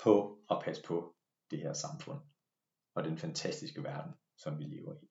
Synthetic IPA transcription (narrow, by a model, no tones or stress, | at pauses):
pʰɒ̽ɒ̽pʰæsə̥pʰɒ̽ | d̥e̝heɐ̰sɑ̈mfɔ̽n̰ | ɒ̽d̥enfænt͡sʰæsd̥isɡ̥əʋæɐd̥n̩ | sɒ̽mʋile̝ːʊɐi